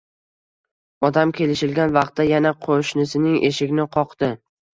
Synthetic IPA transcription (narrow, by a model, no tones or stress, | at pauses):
ɒd̪amkʲʰe̞lɪʃɪlɡʲanvɑq̚t̪ːajanaqʰoʃnɪsɪnɪŋʔe̞ʃɪɡʲnɪqʰɒqd̪ɪ